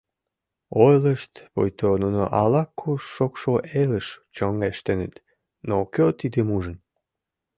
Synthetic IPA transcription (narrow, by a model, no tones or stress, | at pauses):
ojləʃt̪po̰jt̪onuno̰ʔɑlɑkʰːuʃːokʃoʔeləʃt͡ɕoŋeʃt̪enet̪ | nokøt̪id̪emuʒən